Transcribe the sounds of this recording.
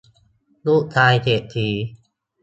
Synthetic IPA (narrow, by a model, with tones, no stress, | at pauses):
luː˥˩ʔ̚t̪ʰaː˧jt̪ʰe˨˩ʔt̪ʰiː˧˩